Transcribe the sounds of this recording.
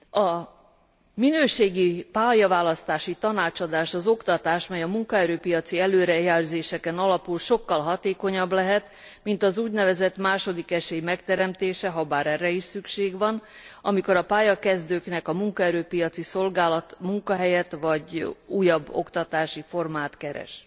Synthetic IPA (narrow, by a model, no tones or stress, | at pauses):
ɒ | minøːʃeːɡipaːjɒvaːlɒst̪aːʃit̪ɒnaːt͡ʃɒd̪aːʃɒzo̞kt̪ɒt̪aːʃmɛjɒmuŋkɒɛɾøːpijɒt̪siɛløːɾɛjɛrzeːʃɛkɛnɒlɒpulʃo̞kːɒlɦɒt̪eːko̞ɲɒblɛɦɛt̪ | mint̪ɒzuːɟnɛvɛzɛt̪maːʃo̞d̪ikɛʃeːjmɛkt̪ɛɾɛmt̪eːʃɛɦɒbaːɾɛrːɛiʃsykʃeːɡʋɒn | ɒmiko̞ɾɒpaːjɒkɛzd̪øːknɛkɒmuŋkɒɛɾøːpijɒt̪siso̞lɡaːlɒt̪muŋkɒɦɛjɛt̪ʋɒɟuːjɒbːo̞̰kt̪ɒt̪aːʃifo̞rmaːt̪kɛɾɛ̰ʃ